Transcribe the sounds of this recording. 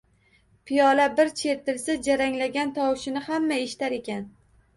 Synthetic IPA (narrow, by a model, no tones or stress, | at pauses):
pʰijɒlabɪɾt͡ʃʰe̞ɾt̪ɪlsad͡ʒaɾaŋlaɡʲant̪ʰɒwʃɪnɪhamːaeʃɪ̥t̪aɾe̞kʲan